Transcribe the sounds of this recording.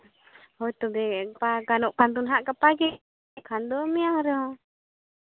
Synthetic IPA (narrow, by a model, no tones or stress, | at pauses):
hɔjt̪ubɛpakanuʔkant̪unɦaʔkapaɡɛ | kʰand̪ɔmiaŋɾə